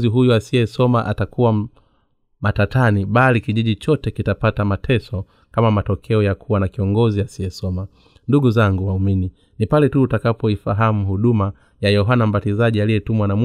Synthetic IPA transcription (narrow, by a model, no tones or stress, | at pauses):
ziɦujuasiɛsɔmaʔa̰takʰuwa | matatʰaniɓalikiʄiʄit͡ʃɔtɛkitapatamatʰɛsɔ | kamamatɔkʰɛɔjakʰuwanakiɔŋɡɔziasiɛsɔma | nduɡuzaŋɡuwaumini | nipalɛtuːtakapɔifaɦamuhuɗuma | jajɔɦanam̩batizaʄialijɛtumwanam